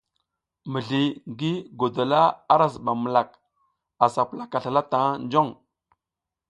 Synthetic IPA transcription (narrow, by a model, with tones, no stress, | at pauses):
mə˨ɮi˨ŋɡi˦ɡo˨do˨la˦a˦ɾa˨zɓa˨mə˨la˨k | a˨sa˨pla˨ka˨ɬa˨la˦ta˨˦nd͡ʒo˦˨ŋ